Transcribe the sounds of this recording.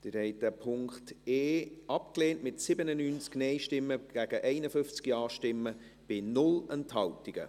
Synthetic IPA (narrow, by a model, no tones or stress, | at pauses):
d̥ɪɾhɛɪtd̥æpʰʊŋkteːɑpkleːntmɪtsɪbənənyːnt͡sknɛɪʃtɪmːəɡ̥æɡ̥əʔɛɪnəfʏft͡skjɑːʃtɪmːə | b̥ɪnʊlɛnthɑltiɡ̥ə̰